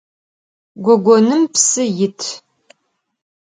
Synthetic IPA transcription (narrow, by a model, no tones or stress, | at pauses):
ɡʷɔɡʷɔnɨmpsɨjɪtʰ